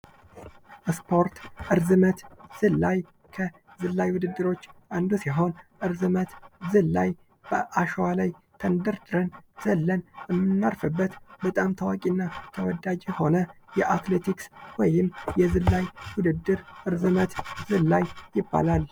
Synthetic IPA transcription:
ʔspʰo̞ɾt̪ʔɨɾzɨmət̪z̥ɨlːaj | kʰə | zɨlːajwʊd̪ɨd̪ːɨɾo̞t͡ʃːʔand̪usiɦo̞nʔɨɾzɨmət̪zɨllːaj | b̥əʔaʃəwalajt̪ʰənd̪əɾd̪ɨɾənz̥əlːənjɛmːɨnːaɾfɨbːət̪bət̪ʼamt̪ʰəwakʼinːat̪ʰəwɔd̪ad͡ʒeho̞nəjɛʔat̪let̪ʰikswɔjɪmjɛzɨlːajwʊd̪ɨd̪ːɨɾʔɨɾzɨmət̪zɨlːajjɪbːa̰lal

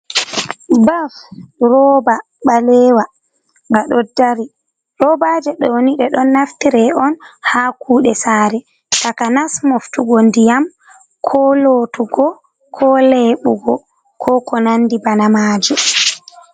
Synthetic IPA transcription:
bafɾɔba | ɓalɛwa | ŋɡaɗɔdaɾi | ɾɔbad͡ʒɛɗɔwoniɗɛɗɔnːaftiɾɛɔnhakʰuːɗɛsaːɾɛ | takanasmoftuɡɔndijam | kʰɔloːtuɡɔ | kʰɔlɛɓuɡɔ | kʰɔkɔnandibanamaːd͡ʒɛ

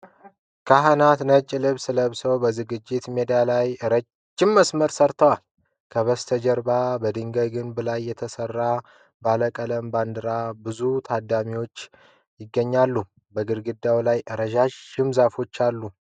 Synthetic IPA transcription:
kʰaɦənat̪nət͡ʃʼːɪlɨβsɨləβsəwbəzɨɡɨd͡ʒːɪt̪me̞d̪alajɨɾə | d͡ʒːɪmːəsməɾsəɾt̪ʰəwal | kʰəβəst̪ʰəd͡ʒəɾbabəd̪ɨŋɡəɡɨnbəlajːɛt̪ʰəsərːa | baləkʼələmband̪ɨɾabɨzut̪ʰad̪amiwo̞t͡ʃː | jɪɡːəɲːalːu | bəɡɨɾɡɨd̪awlajʔɨɾəʒaʃɨmzafo̞t͡ʃːalːu

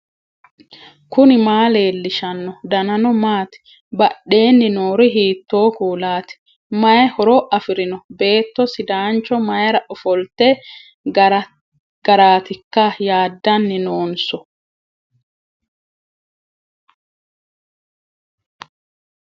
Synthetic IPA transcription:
kʊnɪmaːle̞ːlːɪʃɐnːɔd̪ɐnɐnɔmaːt̪ɪ̥ | bɐɗːe̞ːnːɪnoːɾɪɦiːt̪ːo̞ːkuːlaːt̪ɪ̥ | mɐjhɔɾɔʔɐfɪɾɪnɔbe̞ːt̪ːɔsɪd̪aːnt͡ʃːɔmɐjɾɐʔɔfɔlt̪ːɛ | ɡ̥ɐɾaːt̪ɪkːɐjaːd̪ːɐnːɪnoːnsɔ

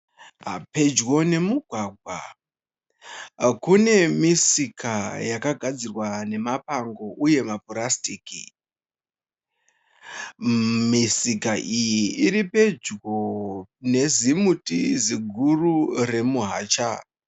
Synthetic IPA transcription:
ɦa̰pe̞d͡ʒɣo̞ne̞muɡʱwaːɡʱwa̰ | kune̞misikʰajakaɡʱad͡zirwane̞mapaŋɡo̞ʔuje̞maporastiːki | misikaʔijiiɾipe̞d͡ʒɡone̞zimutḭziɡʱurure̞muɦaːt͡ʃa

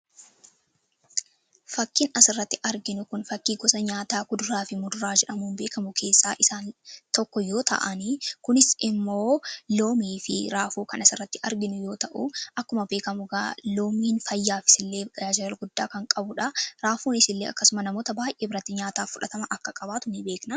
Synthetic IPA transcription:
fɐkːiːnɐsɪrːɐt̪ːɪʔɐɾɡɪnʊkʊnfɐkːiːɡɔsɐɲaːt̪aːɡʊd̪ʊɾaːfɪmʊd̪ʊɾaːd͡ʒɛᶑɐmuːnbe̞ːkɐmʊkʰe̞ːsːaːʔɪsaːnt̪ɔkːɔjo̞ːt̪ɐ̰ʔɐnikʊnɪsɪmːo̞ːloːmiːfɪ̰ɾaːfuːkɐnɐsɪrːɐt̪ːɪʔɐɾɡɪnʊjo̞ːt̪ɐʔṵʔɐkːʊmɐbe̞ːkɐmʊɡaːloːmiːnfɐjːaːfɪ̥sɪlːeːad͡ʒɐlɐlɡʊd̪ːaːkɐŋkʼɐbʊᶑɐɾaːfuːnɪsɪlːeːʔɐ̰kːɐsʊmɐnɐmo̞ːt̪ɐbaːjʔeːbɪɾɐt̪ːɪɲaːt̪aːfːʊᶑɐt̪ɐmɐʔɐkːɐkʼɐbaːt̪ʊnɪbe̞ːknɐ

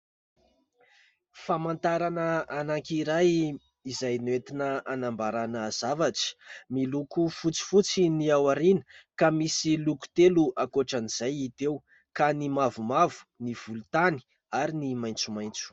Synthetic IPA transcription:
famant̪aɾanəanaŋkiɾaj | izajnwet̪inəanambaɾanəz̥avaʈ͡ʂə̥milukufut͡si̥fut͡siniawaɾinəkamisiluku̥t̪eluʔakoʈ͡ʂaniz̥ajit̪ew | kanimavumavu̥niv̥ulut̪ani̥ | aɾinimajnt͡sumajnt͡su̥

